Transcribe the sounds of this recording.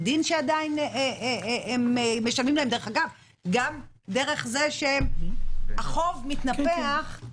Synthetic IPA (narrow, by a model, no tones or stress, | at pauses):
dinʃeadaineeemmːeʃalmimlahemde̞eχaɡav | ɡam | d̪e̞ʁe̞χze̞ʃe | aχo̞vmitnapeaχ